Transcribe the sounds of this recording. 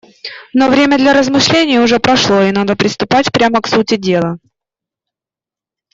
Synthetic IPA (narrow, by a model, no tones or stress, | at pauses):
no̞vɾʲemʲəd̪lʲɐɾəzmɨʂlʲenʲɪjəʊʐɛpɾɐʂlˠo̞ɪnad̪əpɾʲɪst̪ʊpatʲpɾʲaməksutʲɪdʲe̞lˠə